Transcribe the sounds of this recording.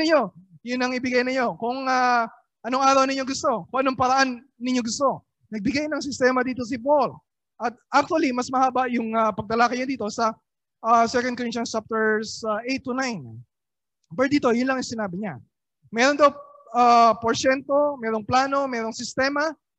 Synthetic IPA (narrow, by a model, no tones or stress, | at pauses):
ɪɲo̞jʊnɐŋɪbɪɡajnɪɲo̞kʊŋa | ʔɐno̞ŋʔaːɾɐwnɪɲoɡʊst̪o̞kʊŋʔɐnoŋpɐɾɐʔanː | ɪɲo̞ɡʊst̪o̞ | nɐɡ̚bɪɡajnɐŋs̬ɪst̪ɛːmɐd̪iːt̪o̞s̬ɪbol | ʔɐt̪̚ʔak̚t̪uɐlimɐsmɐhaːbaʔjʊŋɐpɐɡ̚t̪ɐlakɐjod̪iːt̪o̞sɐ | ʔasɛkɐn̚koɾɪnt͡ʃɐnt͡ʃap̚t̪ɛɹsaʔejt̪ːunajn | bɛɹd̪iːt̪o̞jʊnlɐŋjʊŋsɪnaːbɪɲa | mɛːɾond̪ɐw | apoɹsɛnt̪o̞mɛːɾoŋplaːno̞mɛːɾo̞ŋsɪst̪ɛːmɐ